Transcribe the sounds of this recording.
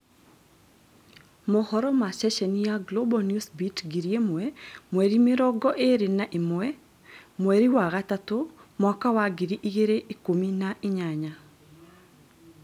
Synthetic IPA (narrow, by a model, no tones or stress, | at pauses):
mɔhɔɾɔmasɛʃɛnjaɡlobɔnjusbitɡiɾjemɔɛmweɾimɪɾɔɡɔʔeɾɪnaʔɪmɔɛ | mweɾiwaɣatat̪omɔkawaɡiɾiʔiɡeɾeʔikominaʔɪɲaɲa